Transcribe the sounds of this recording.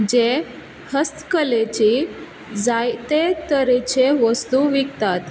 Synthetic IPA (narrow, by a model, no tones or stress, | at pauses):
d͡ʑe | həst̪kəlet͡ɕi | d͡zajt̪et̪əɾet͡ɕeʋəst̪uʋikt̪at̪